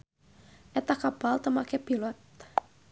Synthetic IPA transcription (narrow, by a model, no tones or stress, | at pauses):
ʔɛt̪akapalt̪əmakɛpilɔt̪̚